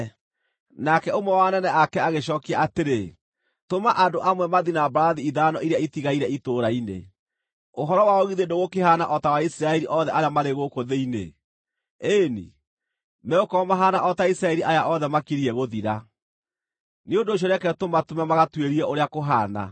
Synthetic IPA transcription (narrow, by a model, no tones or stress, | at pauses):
nakɛomwɛwanɛnɛakɛaɣeʃɔːkiaateɾe | tomaʔandoʔamwɛmaðinabaɾaðiiðaːnɔʔiɾejaitiɣaiɾɛitoɾainḛ | oɦɔɾɔwaɔɣiðendoɣokeɦanaʔɔtawaisɾaɛɾiʔɔðɛʔaɾeamaɾeɣokoðeinḛ | enḭ | mɛokɔmaɦaːnaʔɔtaisɾaɛɾiʔajaʔɔðɛmakiɾiɛɣoðiɾa | neondoːɕ̬ɔɾɛkɛtomatomamaɣatweɾiɛʔoɾeakoɦana̰